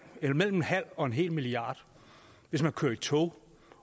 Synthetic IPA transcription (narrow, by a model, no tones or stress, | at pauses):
elmel̰m̩enɦæl̰ɒ̽e̝nɦe̝̰ːlmiliɑ̈ːd̥ | ʋe̝smænkʰøːɐit͡sʰo